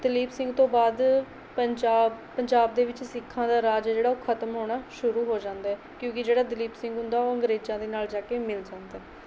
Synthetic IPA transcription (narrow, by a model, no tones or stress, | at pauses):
d̪ɪliːbsɪ̃ŋɡt̪õːbaːd̪ | əɲd͡ʒaː | pəɲd͡ʒaːbd̪eːʋɪt͡ʃsɪkʰːãːd̪aːɾaːd͡ʒɛd͡ʒeːɽaːokʰət̪mɦoːɽ̃aːʃʊɾuːɦoːd͡ʒãːnd̪aːɛ | kjõːkɪd͡ʒeːɽaːd̪ɪliːbsɪ̃ŋɡɦʊ̃nd̪aːoːə̃ŋɡɾeːd͡ʒãːd̪eːnaːld͡ʒaːkeːmɪld͡ʒãːnd̪aɛː